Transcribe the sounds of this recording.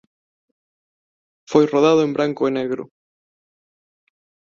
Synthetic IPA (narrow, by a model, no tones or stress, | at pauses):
fojroð̞aðoembɾaŋkoeneɣɾʊ̰